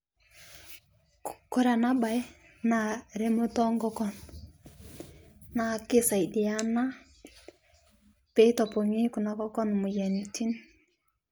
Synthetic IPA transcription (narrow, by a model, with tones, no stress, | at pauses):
kkɔ˦ɾa˨na˦ba˨j | na˨ɾe˦mo˦tɔ˦ŋɡɔ˦kɔ˦n | na˨kɪ˦sa˨i˨di˨a˦na˦ | pe˦tɔ˨po˨ŋi˦ku˨na˨kɔ˦kɔ˦nmu˨jɛ˨niti˦n